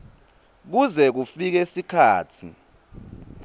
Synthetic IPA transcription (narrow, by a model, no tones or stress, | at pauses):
k̬uzɛk̬ufik̬ɛsikʰaːtʰḭ